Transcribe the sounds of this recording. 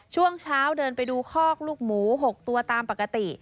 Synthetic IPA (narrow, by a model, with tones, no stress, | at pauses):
t͡ɕʰu˥˩əŋt͡ɕʰaː˦˥wdɤː˧npa˧jduː˧kʰɔː˥˩k̚luː˥˩k̚muː˩˦ɦo˨˩k̚t̪u˧ɐt̪aː˧mpa˨˩ka˧t̪i˨˩